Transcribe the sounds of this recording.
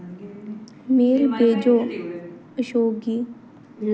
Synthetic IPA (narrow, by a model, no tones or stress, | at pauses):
miːɾbeːd͡ʒoː | əʃoːɡi